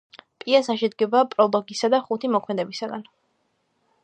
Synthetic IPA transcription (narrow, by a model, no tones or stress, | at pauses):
pʼiasaʃɛd̪ɡɛbapʼɾɔlˠɔɡisad̪aχut̪ʰimɔkʰmɛd̪ɛbisaɡan